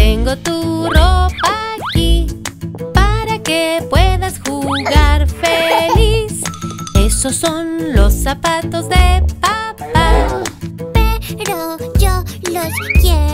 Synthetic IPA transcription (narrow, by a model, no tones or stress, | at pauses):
t̪eŋɡo̞t̪uropaki | paɾakepwe̞ðasxuɣaɾfelise̞so̞sːo̞nlo̞sːapat̪o̞zðe̞papa | peɾoʝoloskje